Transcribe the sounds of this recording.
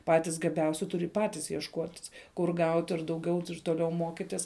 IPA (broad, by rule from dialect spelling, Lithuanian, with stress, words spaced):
ˈpɑːtʲɪs ɡɐˈbʲɛʊsʲɪ ˈtʊrʲɪ ˈpɑːtʲɪs jiɛʃˈkuɔtʲɪs kʊr ˈɡɐʊtʲ ɪr dɐʊˈɡʲɛʊ ɪr toːˈlʲɛʊ ˈmoːkʲɪtʲɪs